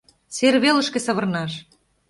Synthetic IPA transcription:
serβelə̆ʃkĕsɤ̆βɤ̆rnɑʃ

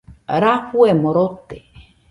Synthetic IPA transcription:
ɾahuemoɾot̪e

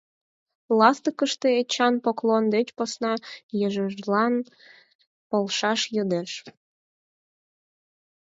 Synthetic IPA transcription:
lɑst̪əkəʃt̪eet͡ɕɑnpoklond̪et͡ɕposnɑjəʒəʒlɑn | polˠʃɑʃjəd̪eʃ

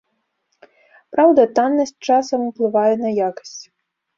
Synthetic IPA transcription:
pɾawd̪ɐt̪anːɐsʲtʲt͡ʂasɐmuplˠɨvajɛnɐjakɐ̥sʲt͡sʲ

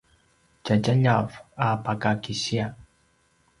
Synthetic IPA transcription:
t͡ʃat͡ʃaɲafapakakisia

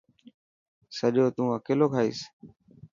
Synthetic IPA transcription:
səʄoːt̪ũːəkeːloːkʰaːḭːs

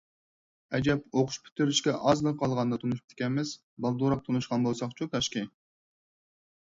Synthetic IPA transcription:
ɛd͡ʒɛpoqʰʊ̥ʃpʰy̥t̪ʰːyɾyʃkʲɛʔɑzlˠqʰɑlˠʁɑnd̪ɑt̪ʰunuʃp̚ʲt̪kʲɛnmɪz̥ | bɑlˠd̪oɾɑq̚t̪ʰunuʃqɑnbolˠsɑχt͡ʃʰut̪ʰɑʃqi

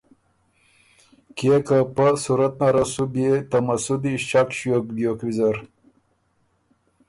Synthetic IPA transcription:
kekapəsuɾət̪̚naɾasubet̪amasud̪iʃt͡ʃakɕjokbjokwizaɾ

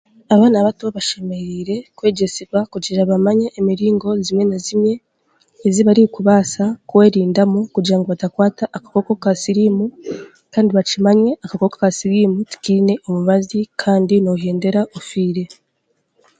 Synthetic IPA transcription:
aβaːnaβatoβaʃe̞me̞ɾiːɾe̞kwe̞ːɟe̞siβwakuɟiɾaβamaɲeʔːmiɾiːŋɡo̞zimwe̞nazimɲe̞ː | ziβaɾikuβaːsakwe̞ːɾiːndamukuɟiɾaŋɡoβatakwaːtaʔːkḁko̞kokasiɾiːmu | kaːndiβat͡ʃimaɲwe̞ʔakako̞kokasiɾiːmuti̥kine̞ʔomuβazikʰaːndinoɦeːnde̞ɾaʔofiːɾe̞

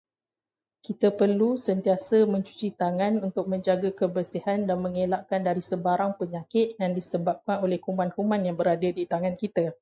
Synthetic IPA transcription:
kit̪apərlusənt̪iasəmə̃ɲt͡ʃu̥t͡ʃit̪aŋãnunt̪ʊk̚mə̃ɲd͡ʒaɡakəbərsihandanmə̃ŋelaʔkandaɾisəbaɾaŋpəɲakɪt̪̚jaŋdisəbap̚kanolɛhkumãnkumãnjaŋbəɾadadit̪aŋãnkit̪a

